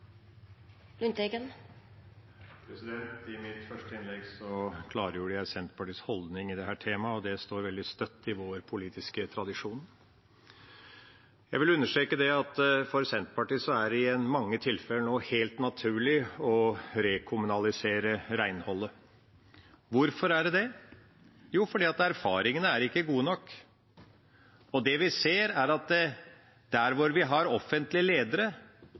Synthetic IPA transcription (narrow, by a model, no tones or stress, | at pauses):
lʉnt̪eɡən | pʰɾɛsɪd̪ɛnt̪ɪmɪt̪fœʂʈəɪnlɛɡsɔkʰlɑːɾəjuːɖəjæɪsɛnt̪pʰɑʈiːshɔld̪nɪŋɪd̪ɛɦæːʈʰeːmɑɔd̪ɛst̪oːɾʋɛld̪ɪst̪œt̪ːɪʋoːɾpʰʊliːt̪ɪskət̪ʰɾɑd̪ɪʂuːn | jæɪʋɪlʉnːəʂʈɾeːkəd̪ɛɑt̪fɔɾsɛnt̪pɑʈiːsɔæɾɪɛnmɑŋːət̪ʰɪlfɛlːənoːheːlt̪nɑt̪ʰʉːɭɪɔɾɛkʰʊmʉnɑlɪseːɾəɾæɪnhɔlːə | ʋʊɾfɔɾæɖɛd̪ɛ | juːfɔɖiːɑt̪æɾfɑːɾɪŋənəæɾɪkːəɡuːənɔkː | ɔd̪ɛʋɪseːɾæɾɑt̪̚d̪ɛ | d̪̥æɾʋʊɾʋɪɦɑɾɔfːənt̪lɪəleːd̪əɾə